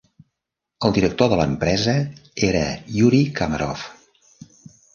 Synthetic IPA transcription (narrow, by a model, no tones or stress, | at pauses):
əlˠd̪iɾək̚t̪oðələmpɾɛzəeɾəjuɾikaməɾɔf